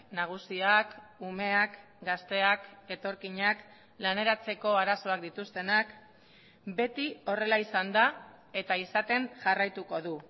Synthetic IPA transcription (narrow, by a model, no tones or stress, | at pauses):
naɣ̞usiakume̞ak | ɡast̪e̞ake̞t̪o̞ɾkiɲak | lane̞ɾat͡se̞ko̞aɾaso̞ak̚d̪it̪ust̪e̞nak | be̞t̪io̞re̞laisand̪a | e̞t̪aisat̪e̞ŋʝarajt̪uko̞ðu